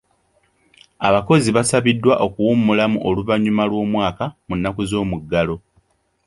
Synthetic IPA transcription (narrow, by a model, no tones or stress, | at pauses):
aβako̞ziβasaβidːwaʔo̞kuwumːulamṵʔoluvaɲumalwo̞ːmwaːkamunːakuzo̞ːmuɡːalo̞